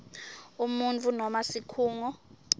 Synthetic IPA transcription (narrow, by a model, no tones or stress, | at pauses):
umunt͡fʰʼunɔmasikʰuːŋɔ